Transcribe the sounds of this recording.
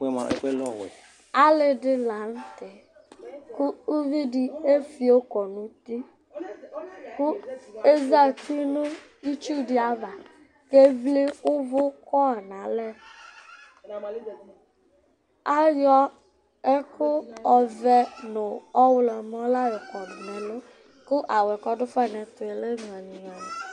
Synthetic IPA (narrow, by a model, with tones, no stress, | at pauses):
lɔ˨w | a˦lɪ˨dɪ˦la˨n̩˦tɪ˨ | kʊ˦u˦vi˦di˨e˦fi˨o˦kɔ˨nʊ˨ti˦ | kʊ˦e˦za˦˨ti˦nʊ˦ | i˦t͡ʃu˦di˨a˨va˨ | ke˦vli˦ʊ˦vʊ˦kɔ˦a˨nã˨lɛ˦ | a˦jɔ˦ | e˦kʊ˦ɔ˨vɛ˦nʊ̃˨ɔ˦wlɔ˨mɔ̃˦la˦je˨kɔ˨nʊ̃˨nɛ̃˨lo˦ | kʊ˦ʔa˨wɛ˨kɔ˦ɖʊ˦fa˦˨nɛ̃˨t̪ʊ˨e˨le˦ŋ˨ɛ˨nĩ˨ɲɔ̃˨nɛ˨